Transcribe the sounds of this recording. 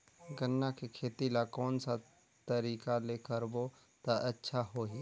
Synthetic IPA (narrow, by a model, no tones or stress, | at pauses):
ɡənːakekʰeːt̪ilakɔːnsa | t̪əɾiːkaleːkəɾbo | t̪aʔətːʃʰaɦoɦiː